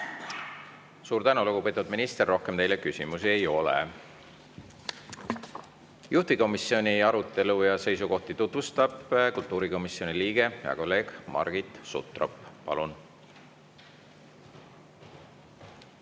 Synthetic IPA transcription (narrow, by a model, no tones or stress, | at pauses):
suːɾt̪ænuluɡupe̞ːt̪ːˑud̪minist̪e̞rːo̞hke̞mt̪e̞jle̞kysʲimusie̞jo̞lḛ | juht̪iko̞misio̞niɑɾut̪ːˑe̞lujɑse̞js̬uko̞ht̪it̪ut̪vust̪ɑb̥kult̪ːˑuːɾiko̞misːio̞niliːɡ̥e̞eɑ̰ko̞lːe̞ːɡ̥mɑ̰rɡ̥it̪ˑsṵt̪ːˑrɑ̰ppɑ̰lun